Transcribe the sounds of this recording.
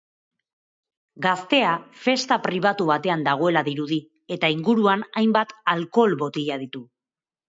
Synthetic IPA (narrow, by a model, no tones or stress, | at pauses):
ɡast̪e̞afe̞st̪apɾiβ̞at̪uβat̪e̞and̪aɣ̞o̞e̞laðiɾuði | e̞t̪aiŋɡuɾuanajmbat̪alko̞lβo̞t̪iʎaðit̪u